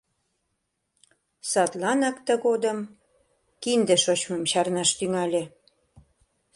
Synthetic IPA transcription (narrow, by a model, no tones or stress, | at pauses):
sɑt̪lɑnɑkt̪əɣod̪əm | kind̪eʃot͡ɕməmɕɑrnɑʃt̪yŋɑlʲe